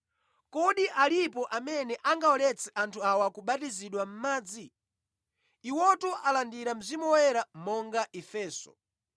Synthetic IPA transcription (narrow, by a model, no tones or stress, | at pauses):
kɔɗiʔalipɔʔamɛnɛʔaŋɡaɔlɛt͡sʰɛʔantʰuawɔakuɓatiziɗwam̩maːd͡zi | iwɔtuʔalandiɾam̩zimuwɛɾamɔŋɡaʔɛfɛːsɔ̰